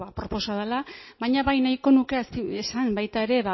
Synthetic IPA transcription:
βapɾo̞po̞saðalaβaɲaβajnajko̞nuke̞asiesambajt̪ae̞ɾe̞βa

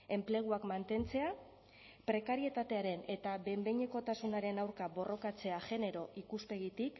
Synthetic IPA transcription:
e̞mple̞ɣ̞uakmant̪e̞nt͡se̞a | pɾe̞kaɾie̞t̪at̪e̞aɾe̞ne̞t̪aβe̞mbe̞ɲe̞ko̞t̪asunaɾe̞nawɾkaβo̞ro̞kat͡se̞aʝe̞ne̞ɾo̞ʔikuspe̞ɣit̪ik

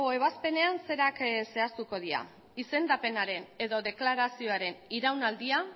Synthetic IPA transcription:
ɣo̞e̞β̞aspe̞ne̞anse̞ɾakse̞ast̪uko̞ð̞iɾa̰ | ise̞nd̪ape̞naɾe̞ne̞ðo̞ðe̞klaɾasio̞aɾe̞niɾawnald̪ia

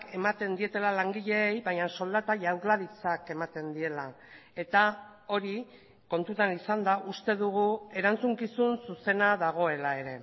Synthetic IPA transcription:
ke̞mat̪e̞nd̪ie̞t̪e̞lalaŋɡiʎe̞ːjbaɲaso̞ld̪at̪aʝawɾlaβit͡sake̞mat̪e̞nd̪ie̞la | e̞t̪a | o̞ɾi | ko̞nt̪ut̪anisand̪aʔust̪e̞ðuɣ̞ue̞ɾant͡suŋkisunsuse̞naðaɣ̞o̞e̞lae̞ɾe̞

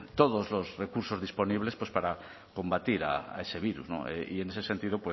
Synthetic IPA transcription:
t̪oðozlozrekuɾsozðispo̞niβ̞le̞spwe̞spaɾa | ko̞mbat̪iɾa̰a̰e̞seβ̞iɾṵzno̰eḭene̞sesent̪ið̞opwe

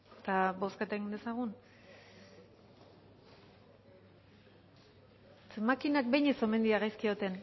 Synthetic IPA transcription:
t̪abo̞skat̪eŋine̞saɣ̞un | t͡smakinak̚be̞jɲeso̞me̞nd̪iaɣajskio̞t̪e̞n

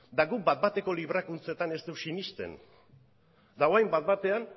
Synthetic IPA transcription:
d̪aɡuk̚bat̪̚bat̪e̞ko̞liβɾakunt͡set̪ane̞st̪ewsinist̪e̞̰n | d̪aoajmbat̪̚bat̪e̞an

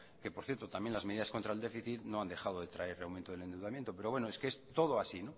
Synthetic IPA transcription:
ke̞po̞ɾθjeɾt̪o̞t̪amje̞nlazmeðiðasko̞nt̪ɾaeld̪e̞fiθit̪no̞and̪e̞xað̞oðet̪ɾaeɾreawmẽnt̪oð̞ele̞nd̪ewðamjent̪o̞pe̞ɾoβwenoe̞skeest̪o̞ð̞oasino

